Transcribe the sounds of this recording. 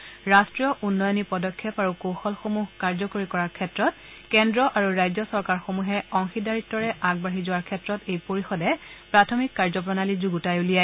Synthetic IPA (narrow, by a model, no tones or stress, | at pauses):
ɹastɹijɔʔunːɔjɔnipɔdɔkʰːjɔpaɹukoxɔlxomuɦkaɹzɔkoɹikɔɹaɹkʰɛtɹɔt̚ | kɛndɹɔʔaɹuɹajzɔsɔɹkaɹxomuɦɛɔŋxidaɹitːɔɹɛʔaɡ̚baɦizʊwaɹkʰɛtɹɔtejpoɹixɔdɛpɹatʰɔmikːaɹzɔp̬ɹɔnalizuɡutajulija